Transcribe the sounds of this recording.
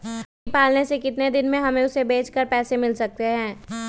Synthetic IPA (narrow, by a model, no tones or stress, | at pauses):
ɦ | paːlnesekɪt̪ned̪ɪnmẽɦɐmẽʊsebeːt͡ʃkəɾpɛːsemɪlsɐk̚t̪eɦɛ̃ː